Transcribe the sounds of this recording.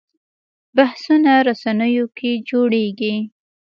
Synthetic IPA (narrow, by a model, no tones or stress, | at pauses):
bahsunaɾasanəjokʰed͡ʒoɽeɡi